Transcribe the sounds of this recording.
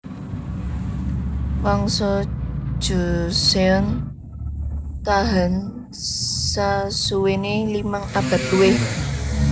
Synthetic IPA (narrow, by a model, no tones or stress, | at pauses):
wɔŋsɔ̥ʒ̥ṳseɔn | t̪aɦən | sasuwenelimaŋab̥a̤t̪uwe